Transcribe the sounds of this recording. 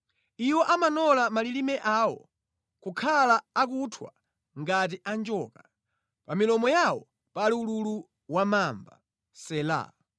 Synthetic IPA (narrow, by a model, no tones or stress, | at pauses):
iwɔʔamanɔlamalilimɛʔawɔ | kukʰalaːkutʰwa̰ | ŋɡat̬iʔand͡ʒɔːka | pamilɔmɔjawɔ | paliululu | wamaːmba̰ | sɛla̰